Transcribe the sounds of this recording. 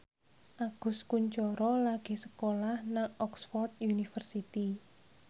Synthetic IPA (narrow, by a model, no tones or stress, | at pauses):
ʔaɡ̥ʊ̤skuɲt͡ʃɔɾɔlaɡ̥e̤sə̥kolahnaŋɔksfɔrt̪junifərsit̪i